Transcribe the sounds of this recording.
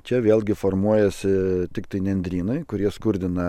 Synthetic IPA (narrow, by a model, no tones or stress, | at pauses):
t͡ʃʲɛʋʲeːlˠʲɡʲɪfoɾmuɔjɛsʲɪt̪ʲɪkt̪ɐɪnʲɛnʲd̪ʲɾʲiːnɐɪkʊɾʲiɛskʊɾʲd̪ʲɪnɐ